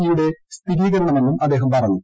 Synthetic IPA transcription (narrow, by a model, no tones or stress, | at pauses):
ijuɽe̞st̪iɣiːɣɐːɐmenːumɐd̪ːeːɦɐmpɐrɐɲːu